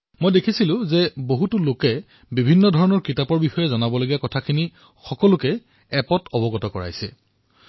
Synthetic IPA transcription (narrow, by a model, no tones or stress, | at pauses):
mojdekʰisilʊ̃zɛboɦutʊlokɛ | bibʱinːɔdʱɔɹɔnɔɹkɹitapɔɹbixɔjɛzɔnabɔloɡijakɔtʰakʰini | xɔkɔlʊkɛ | ɛpɔtʰɔbɔɡɔtɔkɔɹa̰jsɛ̰